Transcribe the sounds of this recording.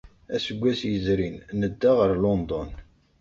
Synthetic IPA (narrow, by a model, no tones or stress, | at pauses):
æsəɡʷːæsjəzɾinnəd̪ːaʁəɾlond̪ɔn